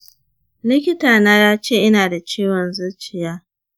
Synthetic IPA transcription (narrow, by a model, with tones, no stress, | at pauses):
lɪ˦kʲɪ˦taː˨naː˦jaː˦t͡ʃeː˦˨ʔɪ˦naː˨da˨t͡ʃeː˦wɔ˨nzʊ˦t͡ʃɪ˨jaː˦